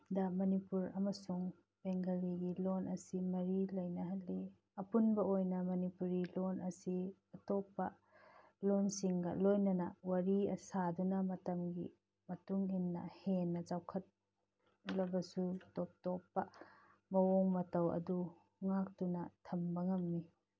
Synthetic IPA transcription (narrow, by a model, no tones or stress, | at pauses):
dɐmɐnipuɾɐmɐsuŋ | b̥eŋɡɐliɡilonʔɐsimɐɾilɐjnɐɦɐlːi | ɐpunbɐojnɐmɐnipuɾilonɐsiɐtopːɐ | lonsiŋɡɐ̰lojnɐnɐwɐɾiɐsadunɐmɐtɐmɡḭ | mɐtuŋinːɐ̰henːɐd͡ʒawkʰɐt̚ | lɐbɐsutɔp̚topːɐ | mɐwoŋmɐtɐwɐ̰du | ŋak̚tunɐtʰɐmbɐŋɐmːi